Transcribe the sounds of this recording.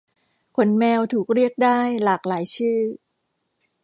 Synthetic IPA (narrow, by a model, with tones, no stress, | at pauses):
kʰo˧˥nmɛː˧wt̪ʰuː˨˩k̚ɾi˥˩ək̚daː˥˩jlaː˨˩k̚laː˨˩˦jt͡ɕʰɯː˥˩